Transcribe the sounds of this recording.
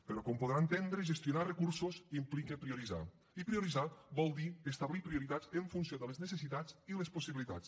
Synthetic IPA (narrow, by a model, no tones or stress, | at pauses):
pəɾɔkɔmpoð̞ɾant̪end̪ɾeəʒəst̪junarəkuɾsuzimplikepɾiuɾiza̰ | ipɾiuɾizabɔlˠd̪iəst̪aβlipɾiuɾit̪azəɱfunsioðələznəsəsit̪ad͡ziləsposiβilit̪at͡s